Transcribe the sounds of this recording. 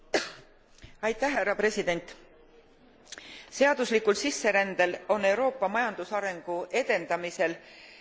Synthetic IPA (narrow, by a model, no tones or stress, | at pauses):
ɑjt̪ːˑæhɦærːɑpre̞sid̪̥e̞nʲt̪ˑ | se̞ɑd̪̥uslikːulsisːe̞ɾænd̪̥e̞lo̞nːe̞wɾo̞ːpːˑɑmɑjɑnd̪̥usɑɾe̞ŋɡ̥ue̞d̪̥e̞nd̪ɑmise̞l